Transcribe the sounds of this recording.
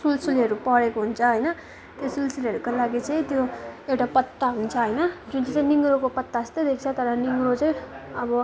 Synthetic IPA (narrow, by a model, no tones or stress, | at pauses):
sulsuliɦʌɾupʌɾekoɦunt͡sʰʌɦʌjnʌ | t̪josulsuliʌɾukolaɡit͡sʌj̃t̪joewʈapʌt̪ːaɦunt͡sʰʌɦʌjnʌd͡zunt͡sʌt͡sãj̃niŋɡɾokopʌt̪ːast̪ʌd̪ek̚ʰt͡sʰʌt̪ʌɾʌniŋɡɾot͡saj̃ʌbʌ